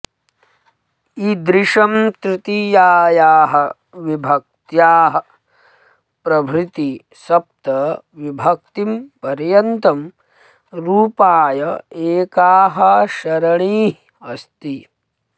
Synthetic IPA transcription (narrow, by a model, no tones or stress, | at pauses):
id̪ɾɪʂɐmt̪ɾɪt̪ijaːjaːɦɐ | ʋibʱɐk̚t̪jaːɦɐ̆ | pɾɐbʱɾɪt̪i | sɐp̚t̪ɐ | ʋibʱɐk̚t̪impɐɾjɐnt̪ɐm | ɾuːpaːjɐeːkaːɦɐʃɐɾɐɳiː | ɐst̪i